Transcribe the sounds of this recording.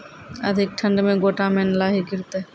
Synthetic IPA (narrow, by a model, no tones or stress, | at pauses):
əd̪ʱik̚ʈʰə̃ɳɖmẽɡoːʈamenlaɦiɡiɾt̪e